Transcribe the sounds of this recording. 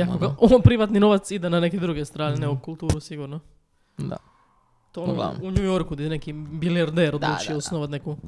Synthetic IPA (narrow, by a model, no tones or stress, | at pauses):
jakoɡaopɾiʋat̪nino̞ʋat̪sid̪enaneked̪ɾuɡest̪ɾaːneneokulˠt̪uːɾusiɡuɾno | d̪a̰ | t̪oon̰uɲujoɾkud̪anekibiliaɾd̪eɾod̪lˠut͡ʃieosnoʋat̪neku